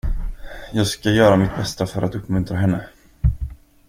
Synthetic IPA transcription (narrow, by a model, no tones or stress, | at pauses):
jɑːɡskajœːɾamɪt̪̚bɛst̪afœɾʔat̪ɵpːmɵnt̪ɾaɦɛnːə